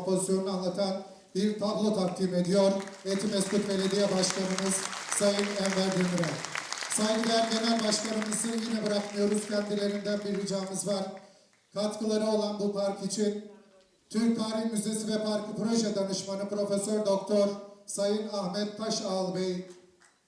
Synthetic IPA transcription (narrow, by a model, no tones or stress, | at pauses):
pʰo̞zisjo̞nunɯanlˠat̪ʰan | biɾt̪ʰablˠo̞t̪ʰak̚t̪ʰiːme̞d̪ijo̞ɾet̪ʰimɛscut̪be̞lʲe̞d̪ijɛbaʃk̪ˠanɯmɯz | sajɯnænvæɾd̪imyɾɛsajɡid̪ænd̪emænbaʃk̪ˠanɯmɯzɯnjinɛbɯɾakmɯjo̞ɾuzcʰɛnd̪ilʲe̞ɾind̪ænbiɾhid͡ʒaːmɯzvaɾ | kʰat̪kʰɯlˠaɾɯo̞lˠanbupʰaɾkit͡ʃʰin | t̪ʰyɾc̚t̪ʰaːɾiçmyze̞sivɛpaɾkʰɯpɾo̞ʒɛd̪anɯʃmanɯpɾo̞fesøɾd̪o̞k̚t̪ʰoɾsajɯnahmɛt̪̚pʰaʃaːlˠbeji